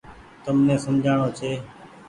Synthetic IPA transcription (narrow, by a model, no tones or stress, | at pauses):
t̪əmnẽːsəmd͡ʒʱaːɳoːt͡ʃʰeː